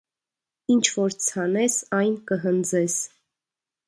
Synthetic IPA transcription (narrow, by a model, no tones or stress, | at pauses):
int͡ʃʰvɔɾt͡sʰɑnɛsɑjnkəɦənd͡zɛs